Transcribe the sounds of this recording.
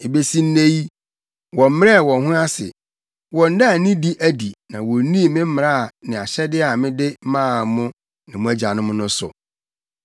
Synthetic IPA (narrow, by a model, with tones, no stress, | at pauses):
e˨be˦si˦n̩˦ne˦ji˦ | wɔ˨m̩˦m˦ɛ˦˨wɔ̃˨ɦʊ̃˦a˦sɪ̰˨ | wɔ̃˨n̩˦da˦a˨nĩ˦di˦ʔæ˦di˨nã˨wɔ˨˦nĩ˦˨mɪ̃˦m̩˦m˨a˦˨nɪ̃˨a˨ɕɛ˦dɪ˦a˨mɪ̃˦dɪ˦mãː˦˨mʊ̃˦ | nɪ̃˨mʊ̃˦æ˦d͡ʑa˨nʊ̃˦mʊ̃˦nʊ̃˦sʊ̰˨